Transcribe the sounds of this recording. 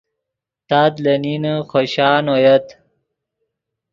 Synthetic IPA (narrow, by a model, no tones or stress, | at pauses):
t̪aːt̪lɐninəxoɕaːnojɐt̪